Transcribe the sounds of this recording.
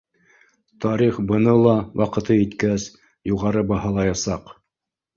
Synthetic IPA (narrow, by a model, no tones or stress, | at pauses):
t̪ɑɾiχbɤ̆nɤlˠɑwʔɑqɤ̆t̪ɤit̪kæs | juʁɑɾɤbɑhɑlˠɑjɑsɑq